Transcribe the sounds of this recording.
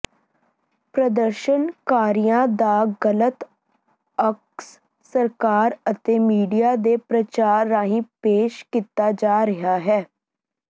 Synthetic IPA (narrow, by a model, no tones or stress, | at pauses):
pɾəd̪əɾʃənkaːɾijãːd̪aːɡələt̪ | əks | səɾkaːɾət̪eːmiːɖijaːd̪eːpɾət͡ʃaːɾːaːɦĩːpeːʃkit̪aːd͡ʒaːɾɪɦaːɦɛː